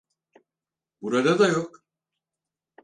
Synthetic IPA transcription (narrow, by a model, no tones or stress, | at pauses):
buɾad̪ad̪ajok